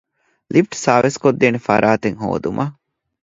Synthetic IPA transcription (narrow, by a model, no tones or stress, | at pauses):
lʔifʈsaːʋeskod̪ːeːnefɐ̰ɾʔaːt̪eŋɦo̰ːd̪umʔɐ